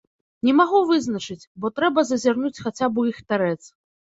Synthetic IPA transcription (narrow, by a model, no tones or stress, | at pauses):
nʲɛmaɣuvɨznɐt͡ʂɨt͡sʲbɔt̪ɾɛbɐzɐzʲarnut͡sʲxat͡sʲabujixt̪aɾɛt̪s